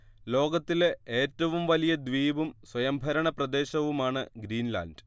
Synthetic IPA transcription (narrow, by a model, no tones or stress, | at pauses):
lo̞ːɡɐt̪ːileːtːɐʋumʋɐlijɐd̪ʋiːbumswɐjɐmbʱɐɾɐɳɐprɐd̪e̞ːɕɐʋumaːɳɨɡɾiːnla̰ːndɨ